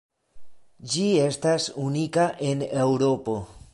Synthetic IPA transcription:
d͡ʒie̞stasunikaʔe̞ne̞wɾo̞po̞

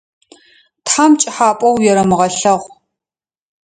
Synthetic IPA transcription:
tħamt͡ʃʼɪħaːpʼɐwjɛɾɐmɨʁɐɬɐʁʷ

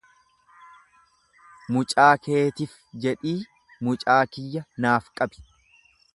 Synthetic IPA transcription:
mʊt͡ʃʼaːkʰe̞ːt̪ɪf | d͡ʒɛᶑiː | mʊt͡ʃʼaːkɪjːɐnaːfkʼɐbɪ̥

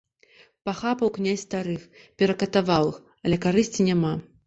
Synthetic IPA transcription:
paxapɐwknʲasʲst̪aɾɨx | pʲɛɾɐkɐt̪avalˠɨx | ɐlʲɛkaɾɨsʲt͡sʲinʲama

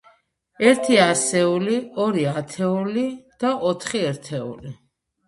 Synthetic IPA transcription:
ɛɾt̪ʰiasɛuliɔɾiat̪ʰɛulid̪̥aʔɔt̪ʰχiɛɾt̪ʰɛṵli

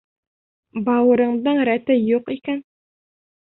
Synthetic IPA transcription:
bɑwɤ̆ɾɤ̆ɴd̪ɤɴɾæt̪ɘjuqikæn

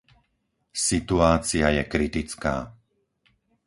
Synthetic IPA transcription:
sit̪uaːt͡siajɛkɾit̪it͡ska̰ː

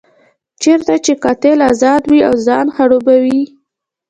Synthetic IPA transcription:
t͡ʃeɾt̪at͡ʃekɑt̪elazɑd̪wiawzɑnxaɽobawi

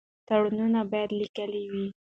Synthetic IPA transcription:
t̪aɽununabɑjad̪likəliwi

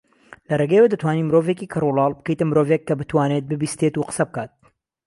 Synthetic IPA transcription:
lɐreɡɐjewɐd̪ɐt̪waːniːmɨɾovekiːkʰɨrulɑːlˠbɨkɐjt̪ɐmɨɾoːvekːɐbɨt̪waːnet̪̚bɨbiːst̪et̪uqə̥sɐb̚kaːt̪̚

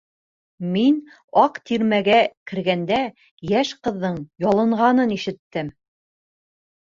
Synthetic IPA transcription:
min | ɑqt̪iɾmæɡækɘ̆ɾɡænd̪æ | jæʃqɤ̆ðːɤɴjɑlˠɤ̆ɴʁɑnɤniʃɘ̆t̪ːɘm

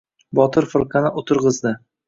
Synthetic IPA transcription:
bɒt̪ʰɪɾfʊɾqʰɑnɪʔot̪ʰɨɾʁɨzd̪ɪ

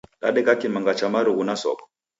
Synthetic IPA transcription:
ɗa̰ɗɛkakimaŋɡat͡ʃamaɾuɣunasɔ̰kɔ̥

